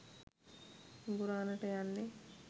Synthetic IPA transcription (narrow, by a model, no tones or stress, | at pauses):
ɡuɾaːnɐʈɐjanːe